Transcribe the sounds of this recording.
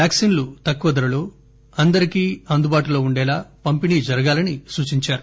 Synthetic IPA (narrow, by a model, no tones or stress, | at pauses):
jaːksiːnlut̪ɐkːuʋɐd̪ɐɾɐlo̞ː | ɐnd̪ɐɾikiːɐnd̪ubaːʈulo̞ːuɳɖɛːlaːpɐmpiniːd͡ʒɐɾɐɡaːlɐnisuːt͡ʃiɲt͡ʃaːɾu